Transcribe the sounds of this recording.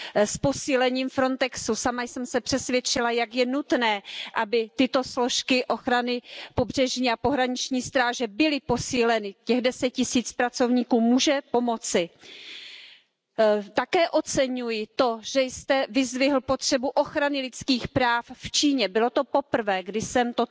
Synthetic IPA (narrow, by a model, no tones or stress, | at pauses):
spo̞siːlɛɲiːmfɾo̞nt̪ɛksusamajsɛmsɛpr̝̥ɛsvjɛt͡ʃɪlajakjɛnut̪nɛːʔabɪt̪ɪt̪o̞slo̞ʃkɪʔo̞xɾanɪpo̞br̝̥ɛʒɲiːapo̞ɦɾaɲɪt͡ʃɲiːst̪ɾaːʒɛbɪlɪpo̞siːlɛnɪcɛɣdɛsɛc̚cɪsiːt͡spɾat͡so̞vɲiːkuːmuːʒɛpo̞mo̞t͡sɪ | t̪akɛːʔo̞t͡sɛɲujɪt̪o̞ʒ̥ɛjst̪ɛvɪzvɪɦl̩po̞t̪r̥ɛbuʔo̞xɾanɪlɪt͡skiːxpɾaːfft͡ʃiːɲɛbɪlo̞t̪o̞popr̩vɛːɡdɪsɛmt̪o